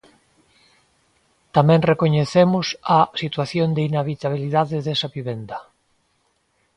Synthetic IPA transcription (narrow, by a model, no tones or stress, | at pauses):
t̪amɛ̃ŋrekoɲeθemʊsɐsit̪waθjond̪einaβit̪aβ̞iliðaðɪðesɐβiβend̪ɐ